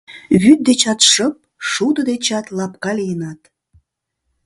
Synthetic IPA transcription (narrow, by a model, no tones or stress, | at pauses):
βyt̪̚d̪et͡ɕɑt̪ʃəp̚ʃud̪əd̪et͡ɕɑt̪lɑp̚kɑlijənɑt̪